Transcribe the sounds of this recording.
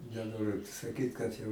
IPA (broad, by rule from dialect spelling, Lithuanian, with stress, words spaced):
nʲɛˈnoːrʲʊ sɐˈkʲiːt kɐt jɛʊ